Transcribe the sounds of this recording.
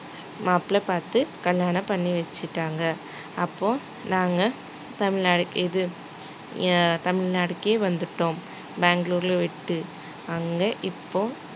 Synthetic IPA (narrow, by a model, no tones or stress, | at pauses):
maːpɪlɐpaːɾt̪ɯkɐlːjaːnɐpɐɳːiʋɛt͡ʃːɪʈːaːŋɡɐː | pːoː | naːŋɡɐ | t̪ɐmɪɻnaːɽɯkːɪðɯ | t̪ɐmɪɭnaːɽɯkːeːʋɐnd̪ɯʈːõːm | baːŋɡɐɭuːɾɪlʋɪʈːɯ | ɐŋɡɐʔɪpːoː